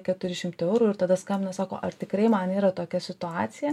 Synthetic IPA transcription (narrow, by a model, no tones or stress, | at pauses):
kʲɛt̪ʊɾʲɪʃʲɪmt̪ɪɛʊɾuːɪɾt̪ɐd̪ɐskɐmʲnɐsɑːko̰ːʔɐrt̪ʲɪkɾɐɪmɐniːɾɐt̪oːkʲɛsʲɪt̪ʊɑːtsʲɪjɛ